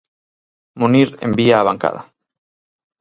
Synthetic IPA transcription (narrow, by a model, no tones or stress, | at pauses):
muniɾḛmbiaːβaŋka̰ða